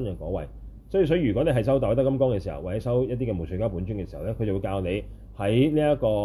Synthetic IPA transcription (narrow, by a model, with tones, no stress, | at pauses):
njœː˨˩ŋkɔ̰ː˨˥wɐ̰˨j | sɔ˨˥i˨˧˩sɔː˨˧˥i˧˩yː˨˩kɔ˨˥ne˧ɦɐ˨js̬ɐ˥wt̪ɔː˨˥t̪ɐ˥kːɐ˥mkɔː˥ŋkɛː˧siː˨˩hɐ̰˩waː˨˩t͡sɛ˨˥sɐ˥wjɐ˥t̚t̪̬iː˥kɛː˨˧mo˨˩sy˨˥kaː˥puː˨˥nt͡ʃy˥ŋkɛː˧si˨˩hɐ˨˩wlɛ˥kʰɵ˨˧jt͡sɐ˨wu˨˧jkaː˧wne˨˧j | hɐ˨˥jniː˥ɐ˥kɔː˧